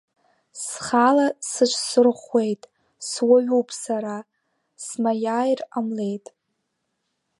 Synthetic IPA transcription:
sχalasɨt͡ʃʷʰsɨrχwe̞jtʼ | swaɥuwpʰʼsaɾa | smajaːjramle̞jtʼ

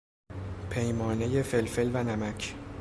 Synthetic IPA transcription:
pʰe̞jmɒːnejefe̞lfe̞lvænæmæcʰ

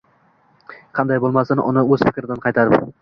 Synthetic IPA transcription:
qʰɑnd̪ajbolˠmasɪnʔʊ̰nɪɵz̥fɪkʲɾɪd̪anqʰɑjt̪ʰaɾɪp

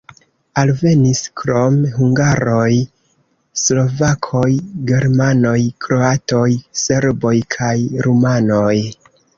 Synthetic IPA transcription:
alve̞niskɾo̞mɦuŋɡaɾo̞j | slo̞vakʰo̞jɡe̞ɾmano̞jkɾo̞ato̞jse̞ɾbo̞jkʰajɾumano̞j

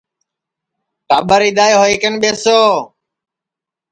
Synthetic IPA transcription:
ʈaːɓəɾiːd̪aːjːɦoːiːkənɓeːsoː

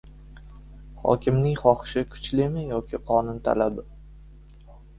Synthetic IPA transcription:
χɒ̰kʲɪmnɪŋχɒχɪ̥ʃɪkʰʊ̥t͡ʃlɪmɪjɒkʲʰɪqʰɒnʊnt̪ʰa̰labɪ

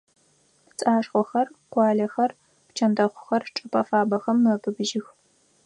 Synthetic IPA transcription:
t͡sʼaːʂχʷɔxɐrqʷɑːɮɐxɐr | pt͡ʃʰɐndɐχʷʊ̥xɐrʈ͡ʂʼɐpʼɐfaːbɐxɐmːɨpʰɨbʒɪx

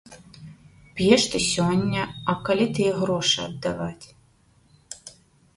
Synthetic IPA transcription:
pjɛʂt̪ɨsʲɔnʲːɐɐkɐlʲit̪ɨjɛɣɾɔʂɐ̰ɐ̰d̪ːɐvatʲ

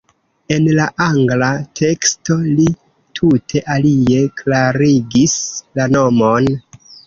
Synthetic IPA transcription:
e̞nlaʔaŋɡlatʰe̞ksto̞li | tʰutʰe̞ʔalie̞klaɾiɡislano̞mo̞n

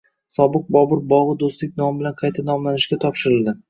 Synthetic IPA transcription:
sɒbɨq̚bɒbʊɾbɒʁɨd̪ost̪lɪk̚ʲnɒmbɪlanqʰɑjt̪ʰanɒmlanɪʃkʲat̪ʰɒpʃɪɾɪlˠd̪ɪ

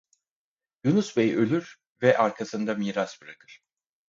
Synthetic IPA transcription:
junusbejʔø̞lʲyɾ | vɛʔaɾkʰasɯnd̪amiːɾasbɯɾakʰɯɾ̥

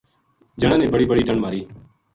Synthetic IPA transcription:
d͡ʒəɽãːnẽːbəɽiːbəɽiːɖəɳmaːɾiː

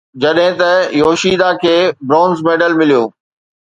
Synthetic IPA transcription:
d͡ʑɐɗɦɪ̃t̪ɐjoːʃiːd̪akʰeːbɾaːʊnzmeːɖəlmɪlijo̰ː

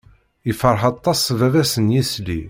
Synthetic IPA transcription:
ifəɾˤħɑt̪ˤːɑsˤvævæsənjisli

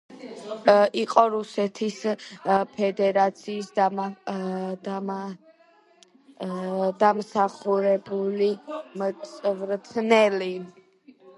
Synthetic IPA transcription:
iqʼɔɾusɛt̪ʰis | pʰɛd̪ɛɾat̪sʰiːsd̪ | d̪amsaχuɾɛbulimsʼvɾt̪ʰnɛli

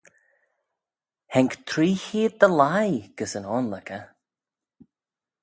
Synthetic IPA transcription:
hɛŋkt̪ʰɾiːhiːd̪̚d̪əlajɡ̥əsənɔːnləkə

